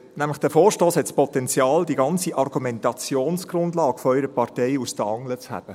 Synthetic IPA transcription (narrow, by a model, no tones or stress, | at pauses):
næmləχd̥əfoːɾʃtoːshɛtspɔtɛnt͡sjɑːldiɡɑnt͡siʔɑrɡ̥umɛntɑt͡sjoːnsɡ̥rʊndlɑːkfoœʏɾəpʰɑrtɛɪusd̥əɑŋlət͡shæ̰b̥ə